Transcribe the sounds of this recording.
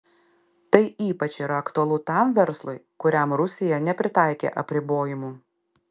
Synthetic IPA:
t̪ɐɪiːpɐt͡ʃʲiːɾɐɐkt̪ʊɐlˠʊt̪ɑˑmʋʲɛɾslˠʊɪkʊɾʲɛmɾʊsʲɪjɛnʲɛpʲɾʲɪt̪ɑˑɪkʲḛːʔɐpʲɾʲɪboːjɪmuː

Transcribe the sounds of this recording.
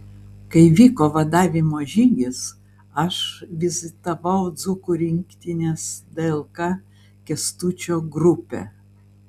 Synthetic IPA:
kɐɪʋʲiːkoːʋɐd̪ɑːʋʲɪmoːʒʲɪŋʲɡʲɪs | ɐʃʋʲɪzʲɪt̪ɐʋɐʊd̪zʊkʊɾʲɪŋʲkt̪ʲɪnʲeːsd̪ɛɛlˠkɑ | kʲɛst̪uːt͡ʃʲoːɡɾʊpʲḛ

